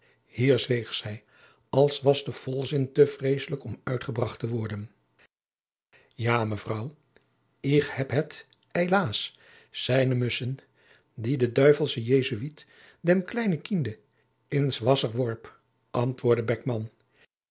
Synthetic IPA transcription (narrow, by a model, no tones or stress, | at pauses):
hiːɹzʋejχsɛj | ɑlˠsʋɑzdəv̥ɔlˠzɪntəv̥rejsələkɔmœɥtχəbrɑχtəʋɔɹdən | jaːməvrɑw | ɪkhɛpɦət | hejlaːs | sɛjnəmɵsən | didədœɥvəlˠsəjejzyʋit | dɛmklɛjnəkində | ɪnsʋɑsəɹʋɔɹp | ʔɑntʋʊːɹdəbɛk̚mɑn